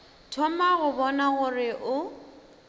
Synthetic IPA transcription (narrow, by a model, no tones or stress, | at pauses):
tʰɔmaɣʊbɔnaɣʊrɪʔʊ